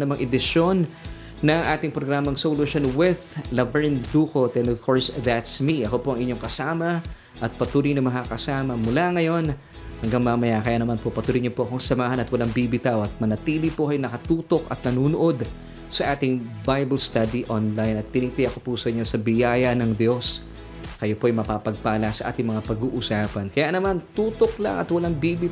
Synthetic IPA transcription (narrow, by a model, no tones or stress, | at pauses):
nɐmɐŋʔɛd̪ɪʃo̞nː | ɐŋʔaːt̪ɪŋpɾoɡɾaːmɐŋsoluʃonwɪðlɐbɛɹnd̪uːko̞d̪ɛnovkʰo̞ɹsðat̪smiʔɐko̞poʔɐŋɪɲo̞ŋkɐsaːmɐ | ʔɐt̪̚pɐt̪uːɾɪjnɐŋmɐkakɐsaːmɐmulaŋɐjo̞n | hɐŋɡaŋmɐmɐjakɐjaːnɐmanpopɐt̪uːɾɪjɲopoɐko̞ɐŋsɐmaːɦɐnɐt̪wɐlaŋbibɪt̪awʔɐt̪̚mɐnɐt̪iːlipokɐjonɐkɐt̪uːt̪o̞kɐ̰t̪̚nɐnuːnoʔo̞d̪ | sɐʔaːt̪ɪŋbajbɐlst̪ad̪iʔonlajnɐt̪ːɪnit̪ɪjɐko̞pusɐʔɪɲo̞sɐbɪjaːjɐnɐŋd̪jo̞s | kɐjo̞po̞ɐjmɐpapɐɡ̚paːlɐsɐʔa̰ːt̪ɪŋmɐŋapɐɡuːʔusaːpɐnkɐjanɐmant̪uːt̪o̞klɐ̰ŋʔɐ̰t̪wɐlaŋbibi